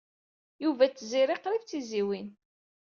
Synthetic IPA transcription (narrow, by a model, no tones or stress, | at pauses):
juvæt͡sːziɾɪqɾift͡sːiziwin